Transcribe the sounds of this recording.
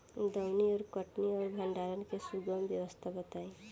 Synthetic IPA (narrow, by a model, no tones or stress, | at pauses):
d̪ʌwnioɾkʌʈniɔɾbʱəɳɖaɾənkesuɡəmbjewʌst̪ʰabʌt̪aẽ